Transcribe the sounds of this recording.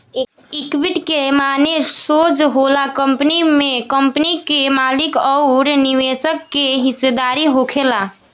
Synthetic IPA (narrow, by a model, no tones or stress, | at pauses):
ikʋiʈkemanesod͡ʒɦolakəmpənimekəmpənikemalikɔʊɾniʋesəkːeɦisːed̪aɾiɦokʰela